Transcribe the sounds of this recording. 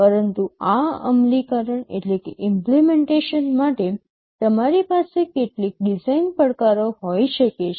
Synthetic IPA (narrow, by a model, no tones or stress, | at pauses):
pəɾənt̪uaə̰mlikaɾəɳḛʈlekeʔɪmplemeɳʈeʃənmaʈe | t̪əmaɾipasekeʈlik̚ɖizainpəɽkaɾoɦoiʃəket͡ʃʰ